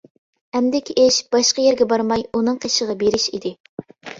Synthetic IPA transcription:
ɛmd̪ɪkʲʰiʔeʃb̥ɑʃqɑjɛɾɡʲɛbɑɾmɑjunɨŋqʰeʃəʁɑbeɾɪʃḭd̪ɪ

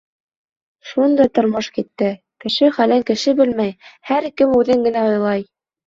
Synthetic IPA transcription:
ʃund̪ɑjt̪ŏɾmoʃkit̪ːɘ | kɘ̆ʃɘχælæŋkɘ̆ʃɘbɘlmæjhæɾkɘmʉðɘŋɡɘ̆næŏjlˠɑj

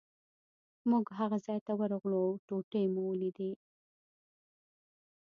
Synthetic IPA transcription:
muɡɦaɣazɑjt̪awəɾɣloawʈoʈejmuwəlid̪i

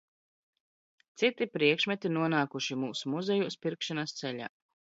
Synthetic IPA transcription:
t̪sit̪ipɾiɛkʃmɛt̪inuɔnaːkuʃimuːsumuzɛjuːspiɾkʃanast̪sɛʎʲa̰ː

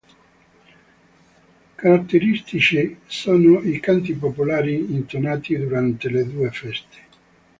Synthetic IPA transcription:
kaɾat̪ːeɾist̪it͡ʃisoːnoikant̪̬ipopulaːɾiːnt̪onaːt̪id̪uɾant̪eled̪uːefɛst̪e̥

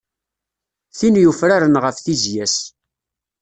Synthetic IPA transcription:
θinjufɾaɾənʁəfθizjæs

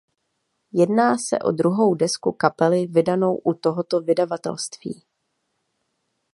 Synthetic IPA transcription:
jɛdnaːsɛ̰ʔo̞̰dɾuɦo̞wdɛskukapɛlɪvɪdano̞wʔut̪oɦot̪o̞vɪdavat̪ɛ̰lst̪v̥ḭː

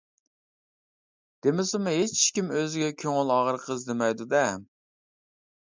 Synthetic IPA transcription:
d̪̥emɪsɪmʊɦet͡ʃkʲimøzɪɡʲɛkʲʰøŋɪlˠɑʁəɾqʰəzd̪ɪmɛjd̪ud̪ɛ

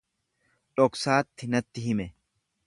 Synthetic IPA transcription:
ᶑʼɔksaːt̪ːɪnɐt̪ːɪhɪmɛ

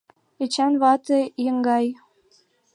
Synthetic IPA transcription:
et͡ɕænβɑt̪ɤjəŋɡɑj

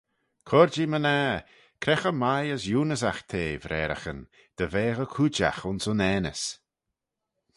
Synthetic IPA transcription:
kʰɔɾd͡ʒiməna | kʰɾɛxəmajəsjuːnəsaxt̪ʰeːvɾʔɛːɾə̰xən | d̪̥əveːɣəkʰud͡ʒa̰xʊnsʊnɛːnə̰s

